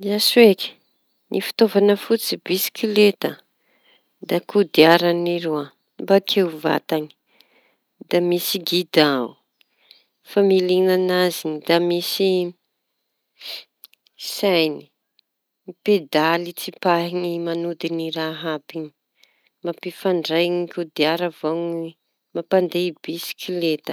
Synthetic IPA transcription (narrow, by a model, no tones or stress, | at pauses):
d̪iasueki̥ | nʔḭfi̥t̪ovanəfut͡sibisi̥kilet̪ə | d̪akʰud̪iaɾaniɾua | bakʰeuva̰t̪ani̥ | d̪amisiɡid̪au | familinanazinid̪amisi | sajni̥ | ped̪alit͡sipaɦiŋimanud̪iniɾaɦapini̥ | mapifaɳɖ͡ʐajŋikud̪iaɾavoŋi | mapand̪eibisi̥kʰilet̪ə̥